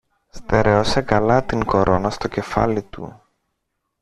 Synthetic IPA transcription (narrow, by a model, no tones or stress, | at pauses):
st̪e̞ɾe̞osekɐlɐt̪iŋko̞ɾʔo̞nɐst̪o̞ce̞fɐ̰lit̪ṵ